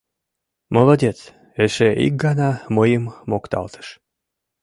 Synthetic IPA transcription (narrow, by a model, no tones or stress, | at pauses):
molodʲet͡s | eʃeʔḭk̚ɡɑnɑməjəmːokt̪ɑ̰lt̪ə̥ʃ